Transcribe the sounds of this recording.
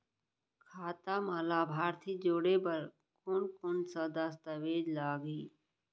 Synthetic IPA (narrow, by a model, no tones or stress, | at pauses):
kʰaːt̪aːmaːlaːbʱaːɾt̪ʰid͡ʒoːɽepəɾ | koːnkoːnsəd̪ast̪əʋeːd͡ʒlaːɡiː